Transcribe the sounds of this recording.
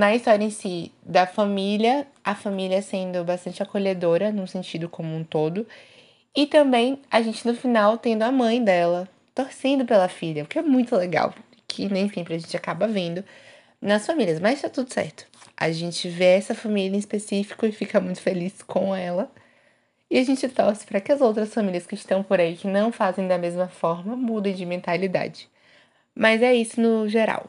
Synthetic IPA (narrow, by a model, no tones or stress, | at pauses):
nɐist̪ɔɾjɐẽsid̪ɐfamiliɐ | ɐfamiliɐɛsẽnd̪ʊbast̪ɐ̃nt͡ʃɪakoʎed̪oɾɐnũsẽnt͡ʃid̪ʊkõmũt̪od̪ʊ | ɪt̪ɐ̃mbẽj̃aʒẽnt͡ʃɪnʊfinawt̪ẽnd̪ʊɐmɐ̃j̃d̪ɛlɐ | t̪oɾsẽnd̪ʊpelɐfiʎʲɐʊkɪɛmũj̃t̪ʊleɡa̰w | kʰɪnẽj̃sĩpɾkaʒẽt͡ʃɪakabɐvẽnd̪ʊ | nɐsfamiliɐsmɐzʃt̪at̪ud̪ʊsɛ̰ɾt̪ʊ̥a̰ʒẽnt͡ʃɪveɛsɐfamiljɐẽispesifi̥kʊɪfikɐmũj̃t̪ʊ̥feliskʰõɛlɐ | ɪaʒẽnt͡ʃɪt̪ɔɾsɪ̥pɾɐkɪɐzowt̪ɾɐsfamilʲiɐskɪːst̪ɐ̃w̃poɾaikɪnɐ̃w̃fazẽj̃d̪ɐmezmɐfɔɾmɐmud̪ẽj̃d͡ʒɪmẽnt̪alid̪a̰d͡ʒɪ | mɐzɛisʊnʊʒeɾa̰w